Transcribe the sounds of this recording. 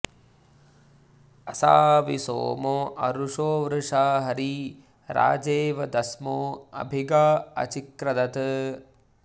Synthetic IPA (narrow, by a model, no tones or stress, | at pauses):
ɐsaːʋiso̰ːmoːʔɐ̰ɾuʂoːʋɾɨʂaːɦɐɾi | ɾa̰ːd͡ʒeːʋɐd̪ɐsmoːɐ̰bʱiɡaːɐ̰t͡ʃikɾɐd̪ɐt̪